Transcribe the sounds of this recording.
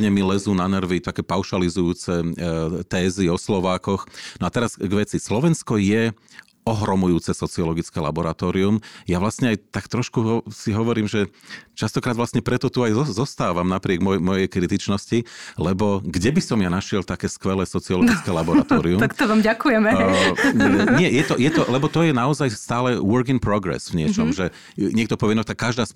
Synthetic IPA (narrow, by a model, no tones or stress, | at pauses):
ɲɛmilɛzuːnanr̩ʋit̪akɛːpaʊʃalizujuːt͡sɛt̪ɛːziɔslɔʋaːkɔxnɔat̪ɛɾaz̥ɡʋɛt͡sislɔʋɛnskɔjɛ | ɔɦɾɔmujuːt͡sɛsɔt͡siɔlɔɡit͡skɛla̰bɔɾat̪ɔːɾiumjaʋlasɲɛajt̪akt̪ɾɔʃkusiɦɔʋɔɾiːmʒɛt͡ʃast̪ɔkɾaːd̪ʋlastɲɛpɾɛt̪ɔt̪uajzɔst̪aːʋamnapɾɪɛɡmɔmɔjɛjkɾit̪it͡ʃnɔscilɛbɔɡɟɛbisɔmjanaʃɪɛlt̪akɛːskʋɛlɛːsɔt͡siɔlɔɡit͡skɛlabɔɾat̪ɔːɾiumakt̪ɔʋaːmɟakujɛmɛ | ɲɪɛjɛt̪ɔjɛt̪ɔlɛbɔt̪ɔjɛnaɔzajst̪aːlɛwɔɾkiŋpɾɔɡɾɛ̰svɲɪɛt͡ʃɔmʒɛ | ɲɪɛk̚t̪ɔpɔʋɛnɔt̪akːaʒd̪aːs